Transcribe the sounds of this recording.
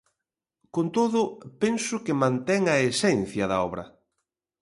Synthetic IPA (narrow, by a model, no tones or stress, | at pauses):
kont̪oðʊpensʊkɪmãnt̪ɛŋɐesɛnθjɐðɐɔβɾɐ̰